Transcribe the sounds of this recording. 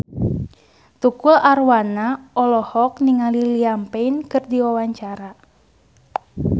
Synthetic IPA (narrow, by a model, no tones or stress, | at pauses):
t̪ukulʔarwanaʔɔlɔhɔk̚niŋaliliampɛinkɨrdiwawaɲt͡ʃaɾa